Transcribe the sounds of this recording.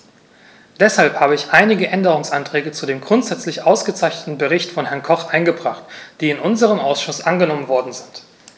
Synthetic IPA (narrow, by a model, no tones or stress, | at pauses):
d̥ɛshalphaːbəɪçʔaɪnɪɡəʔɛndəʁ̞ʊŋsʔantʁ̥ɛːɡət͡sudeːmɡʁʊntz̥ɛt͡slɪçʔaʊsɡ̥ət͡saɪçnətn̩bəʁ̞ɪçtfɔnhɛɐnkʰɔχʔaɪnɡəbʁaχtd̥iːɪnʔʊnzəʁ̞əmʔaʊsʃʊsʔanɡənɔmənvɔɐdn̩zɪnt